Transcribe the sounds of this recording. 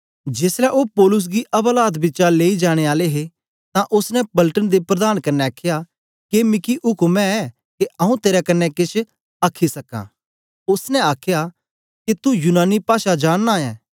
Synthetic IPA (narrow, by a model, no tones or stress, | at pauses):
d͡ʒeːslɛʔoːpɔːlʊs̬ɡiʔɐblaːd̪bɪːt͡ʃaleːid͡ʒaːɽ̃eaːleɦe | t̪ãʔʊsnɛ̃pɐlʈənd̪epɾɐd̪aːnkɐnːɛaːkʰja | kemɪkiʔʊkmɛ̃ɛ | keʔɐũt̪eːɾakɐnːɛkɪt͡ʃʰ | aːkʰːisɐkã̰ː | ʊsnɛ̃aːkʰja | kit̪ujʊnaːnipaːʃad͡ʒaːɽːaɛː